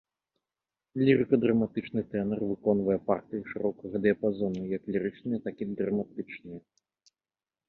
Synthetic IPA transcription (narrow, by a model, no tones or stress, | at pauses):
lʲiɾɨkɐd̪ɾɐmat̪ɨt͡ʂnɨt̪ɛnɛrvɨkɔnvɐjɛpa̰rt̪ɨiʂɨɾɔkɐɣɐd̪ɨɐpazɔnːɨjjɐklʲiɾɨt͡ʂnɨjɐt̪akid̪ɾɐmat̪ɨt͡ʂnɨjɐ